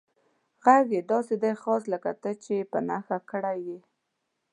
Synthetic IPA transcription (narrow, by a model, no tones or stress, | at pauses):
ɣaɣjed̪ɑsed̪ajxɑsləkat̪ət͡ʃepənaxakəɽaje